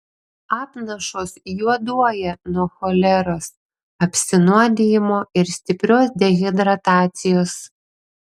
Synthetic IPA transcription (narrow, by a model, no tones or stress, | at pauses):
ɑːpnɐʃoːsjuɔd̪uɔjɛnuɔxɔlʲɛɾoːs | ɐpʲsʲɪnuɔd̪ʲɪjɪmoːɪɾsʲt̪ʲɪpʲɾʲoːsd̪ʲɛɣʲɛd̪ɾɐt̪ɑːt̪sʲɪjoːs